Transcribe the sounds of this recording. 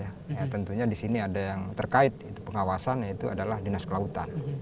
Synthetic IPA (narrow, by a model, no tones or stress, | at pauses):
ja | jat̪ənt̪uɲadisiniadajaŋt̪ərkaɪt̪̚it̪upəŋawasanjait̪uʔa̰dalahdinaskəlaut̪a̰n